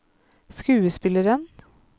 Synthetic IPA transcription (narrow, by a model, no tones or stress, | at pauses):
skʉːəspɪləɾən